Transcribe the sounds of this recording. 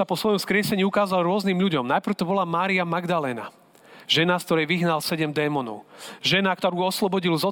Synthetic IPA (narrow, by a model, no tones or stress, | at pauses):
apɔsʋɔjɔmskɾɪɛsɛɲiːukaːzalɾʊɔzniːmʎuɟɔmnajpɾ̩rʊt̪ɔbɔlamaːɾiamaɡd̪alɛːna̰ | ʒɛnask̚t̪ɔɾɛjʋiɦnalsɛɟɛmd̪ɛːmɔnɔ̰ʊʒɛnakt̪ɔɾuːɔslɔbɔɟilzɔ